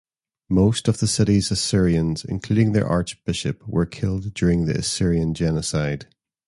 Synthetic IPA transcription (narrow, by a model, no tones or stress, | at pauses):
mostəvðəsɪʔizəsɪɹiə̃nz̥ɪ̰̃nkʰl̥ʉɾɪ̃ŋðə̰˞ʔa̰ɹt͡ʃb̥ɪʃə̰pwə̰˞kʰɪlˠdd͡ʒʉːɹɪ̃ŋðḭə̰sɪɹiə̃nd͡ʒɛnəsaɪd̥